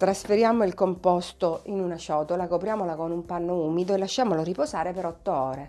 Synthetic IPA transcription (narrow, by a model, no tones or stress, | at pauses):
t̪ɾasfeɾjaːmoilkompɔst̪oʔinunat͡ʃɔːt̪olakopɾjaːmolakonumpanːouːmid̪oelːaʃːaːmoloriposaːɾepeɾɔt̪ːoɔːɾe